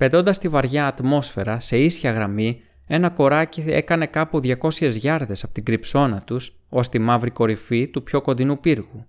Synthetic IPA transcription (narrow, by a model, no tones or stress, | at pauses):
pe̞d̪o̞nd̪ɐst̪ivɐɾʝɐːt̪mo̞sfe̞ɾɐse̞isçɐɣɾɐmi | e̞nɐko̞ɾɐcie̞̰kɐne̞kɐpuðʝɐko̞sçe̞zʝɐɾðe̞sɐpot̪iɡɾipso̞nɐt̪us | o̞st̪imɐvɾiko̞ɾifit̪upço̞ko̞nd̪inupiɾɣu